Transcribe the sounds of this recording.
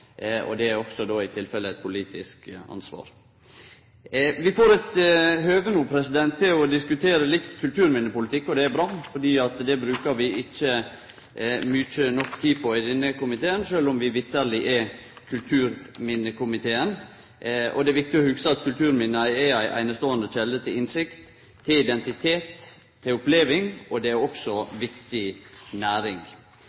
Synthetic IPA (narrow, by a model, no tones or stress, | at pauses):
ɔ̰d̪ɛæɾɔksɔd̪oːɪt̪ʰɪlfɛləɛt̪̚pʰʊliːt̪ɪskɑ̰nsʋɑ̰ːɾ | ʋɪfoːɾɛt̪høːʋənuːpʰɾɛsɪd̪ɛnt̪ʰːɪlɔd̪ɪskʉt̪ʰeːɾəlɪt̪ːkʰʉlt̪ʰʉːɾmɪnːəpʊlɪt̪ʰɪkːɔd̪ɛæɾbɾɑːfɔɖiːɑt̪d̪ɛbɾʉːkəɾʋɪɪçːə | myt͡ʃənɔkːt̪ʰiːpʰɔɪd̪ɛnːəkʊmɪt̪eːənʃøːlʊmʋɪʋɪt̪ʰːəɾlɪʔɛ | kʰʉlt̪ʰʉːɾmɪnːəkʰʊmɪt̪ʰeːən | ʔɔ̰d̪ɛæʋɪk̚t̪ɪɔhʉɡsəɑt̪kʰʉlt̪ʰʉːɾmɪnːəæɪææɪʔæ̰ɪnəst̪oːənd̪əçɛlːət̪ʰɪlɪnsɪkt̪ʰː | ɪlɪd̪ɛnt̪ɪt̪ʰeːt̪ʰː | ɪʊpleːʋɪŋɔd̪ɛæɾɔksɔʋɪkt̪ɪnæːɾɪŋ